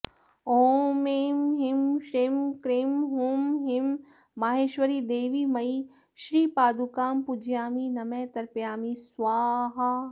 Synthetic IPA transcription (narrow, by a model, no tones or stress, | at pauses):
oːmeːmɦɪmʃɾeːmkɾeːmɦoːmɦɪmː | aːɦeːʃʋɐɾid̪eːʋiːmɐi | ʃɾiːpaːd̪ukaːmpud͡ʒjaːminɐmẽːt̪ɐɾpjaːmisʋaːɦɐ